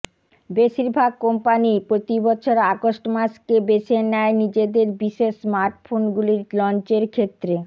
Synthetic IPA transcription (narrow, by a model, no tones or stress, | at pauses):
beʃiɾbʱaɡ̚kompanipɾot̪ibɔt͡ɕʰoɾakoʃʈmaskebeʃenɛenid͡ʑed̪eɾbiʃesmaɾʈfʰonɡuliɾlɔnt͡ɕeɾkʰet̪ːɾe